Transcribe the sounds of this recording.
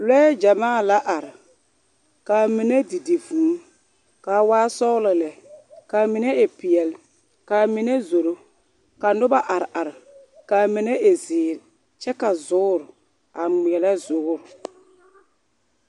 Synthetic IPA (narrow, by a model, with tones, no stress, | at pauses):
lɛ˦d͡ʒa˨maː˦˨la˦ʔa˨ɾɪ˨ | ka˨mɪ˨ne˦di˨di˨vũː˨˦ | ka˨waː˦sɔ˦lɪ˨lɛ˨ka˨mɪ˨nɛ˦ɪ˨pɪ˨ɛ˨l | ka˨mɪ˨ne˦zo˨ɾo˦ | ka˨nʊ˦ba˦ʔa˨ɾɪ˨ʔa˨ɾɪ˨ | ka˨mɪ˨ne˦ʔe˨zɪː˨ɾ | t͡ʃɛ˦ka˨zʊ˦ɾ | a˨ŋ͡mi˨ɛ˨la˦zʊ˦ɾ